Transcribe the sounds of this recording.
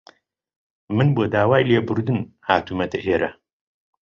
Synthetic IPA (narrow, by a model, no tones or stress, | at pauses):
mɨnboːd̪aːwaːjleːbɨɾd̪ɨnhaːt̪uːmɐt̪ɐʔeːɾɐ